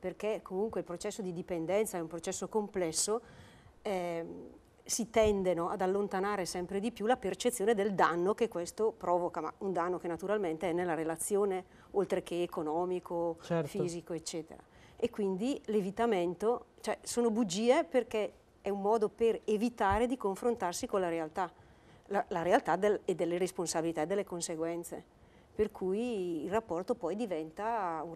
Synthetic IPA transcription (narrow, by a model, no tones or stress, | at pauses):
perkekːomuŋkweilpɾot͡ʃɛsːod̪id̪ipend̪ɛnt̪saɛumpɾot͡ʃɛsːokomplɛsːo | ɛ | sit̪ɛnd̪enoad̪alːont̪anaːɾesɛmpɾed̪ipjulapert͡ʃet̪sːjoːned̪eld̪anːokekːwest̪opɾɔːvokama̰und̪anːokenat̪uɾalment̪eɛnːelːaɾelat̪sːjoːne | olt̪ɾekeːkonɔːmikʰot͡ʃɛɾfiːzikoet͡ʃːɛːt̪ḛɾa̰ | ekːwind̪ilevit̪ament̪ot͡ʃoɛsoːnobud͡ʒːiːeperke | ɛumːɔːd̪operevit̪aːɾed̪ikoɱfɾont̪arsikonlaɾealt̪a | lalaɾealt̪ad̪elɛd̪ːelːeɾesponsabilit̪aed̪elːekonseɡwɛnt̪sḛ | perkʰujːlrapːɔrt̪opɔjd̪ivɛnt̪au